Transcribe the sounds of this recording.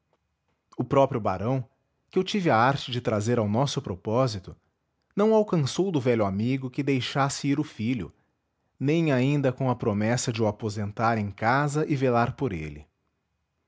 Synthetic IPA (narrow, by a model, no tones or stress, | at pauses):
ʊpɾɔpɾjʊba̰ɾɐ̃w̃ | kɪewt͡ʃivɪaaɾt͡ʃɪd͡ʒɪt̪ɾazeɾawnɔsʊpɾopɔzit̪ʊ | nɐ̃w̃awkɐ̃sowd̪ʊvɛʎʊamiɡʊkɪd̪ejʃasɪiɾʊfiʎʊ̰ | nẽj̃aĩnd̪ɐkõw̃ɐpɾomɛsɐd͡ʒɪʊapozẽnt̪aɾẽj̃kazɐʔɪvelaɾpoɾḛlɪ̰